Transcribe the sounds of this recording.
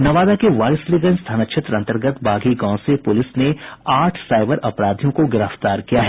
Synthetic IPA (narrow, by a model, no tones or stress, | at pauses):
nɐʋaːd̪akeʋaːɾɪsliɡənst̪ʰaːnɐtʃʰət̪ɾɐ̃nt̪əɾɡət̪bʱaːɡiɡãːsepʊlɪsneaːʈʰsaːɪbəɾʔɐpɾaːd̪ʱijõkoɡɪɾəft̪aːɾkijaɦɛ